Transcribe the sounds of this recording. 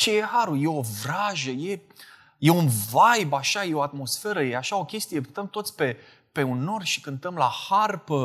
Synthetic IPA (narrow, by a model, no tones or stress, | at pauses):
t͡ʃeje̞haɾuje̞o̞vɾaʒəje̞ | je̞unvajbaʃajeo̞at̪mo̞sfe̞ɾəje̞aʃao̞kʲe̞st̪ijet̪əmt̪o̞t̪sʲpe̞ | pe̞unːo̞rʃi̥kɨnt̪əmlaharpə